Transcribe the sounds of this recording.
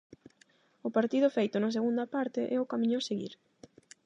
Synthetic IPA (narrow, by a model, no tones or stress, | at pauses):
ʊpaɾt̪iðʊfejt̪ʊnas̬eɣund̪ɐpaɾt̪ɪʔɛʊkamĩɲʊaseɣḭɾ